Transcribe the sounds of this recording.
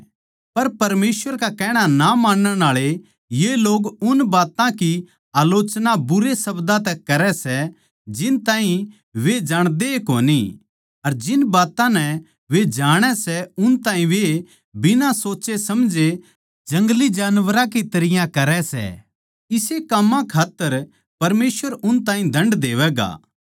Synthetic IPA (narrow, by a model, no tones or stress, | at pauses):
pɐɾpɐɾmeːswʋəɾkakɛːɽ̃anamãːnːɛnaːɭe | jeloːɡʊnbaːt̪ãki | aːloːt͡ʃnabʊɾesɐbd̪at̪ɛkɐɾɛsɛ | d͡ʒɪnt̪ãːɦĩ | ʋed͡ʒaːɽ̃d̪eko̰ːni | ɐɾd͡ʒɪnbaːt̪ãnɛ | ʋed͡ʒaːɽ̃ɛsɛʊnt̪ãːɦĩʋe | bɪnãsoːt͡ʃesɐmd͡ʒe | d͡ʒɐ̃ŋɡlid͡ʒaːnʋəɾãkit̪ɐɾɪjãkɐɾɛsɛ̰ | ɪsekɐmːãkʰaːt̪ːəɾ | pɐɾmeːsʋəɾʊnt̪ãːĩd̪ʱɐ̃ɳɖd̪eːʋɛɡa̰ː